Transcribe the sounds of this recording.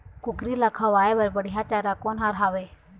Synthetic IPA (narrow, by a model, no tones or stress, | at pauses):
kʊɡɾiːlakʰaːʋaːebəɾbəɽijaːt͡ʃaːɾaːkoːnɦaːɾɦaːʋeː